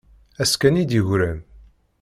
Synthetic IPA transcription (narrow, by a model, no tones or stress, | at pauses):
æskænid̪iʝɾæn